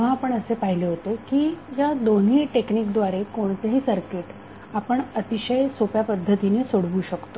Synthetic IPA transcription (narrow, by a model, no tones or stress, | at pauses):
ɦãapəɳəsepaɦileɦot̪ekiːjad̪on̤iːʈekniːkd̪ʋaɾekoɳt̪aɦiːsəɾkeʈ | apəɳət̪iɕəjsopjapəd̪ʱːət̪inesoɽʋuːɕəkt̪o